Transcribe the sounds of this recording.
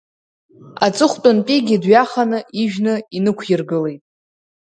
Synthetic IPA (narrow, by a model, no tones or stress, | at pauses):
at͡sʼɨχʷtʼʊnpʼiɡʲidɥaχanɨʔiʒᶣnɨinɨkʷʰjɪrɡɨlejtʼ